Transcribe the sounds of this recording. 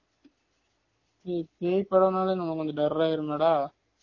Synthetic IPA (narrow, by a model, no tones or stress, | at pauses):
ipeːpːɐɽɐnaːlenɐmːɐkːɔnd̪ɐɖɐɾːaːɪɾɯmɛːɽaː